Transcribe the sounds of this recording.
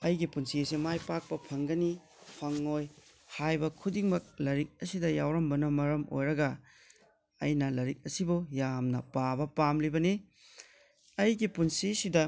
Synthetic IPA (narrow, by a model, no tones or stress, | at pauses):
ɐjɡipunsiɐsimajpak̚pɐpʰɐŋɡɐni | pʰɐŋːoj | hajbɐkʰudiŋmɐk̚lɐɾik̚ɐsidɐjawɾɐmbɐnɐmɐɾɐmo̰jɾɐɡɐ | ɐjnɐlɐɾik̚ɐsibujamnɐ̰pabɐpamlibɐni | ɐjɡipunsisidɐ